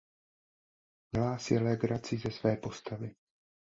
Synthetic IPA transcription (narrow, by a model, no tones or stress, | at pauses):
jɛlaːsɛlɛɡɾat͡sizɛsvɛːpo̞st̪avɪ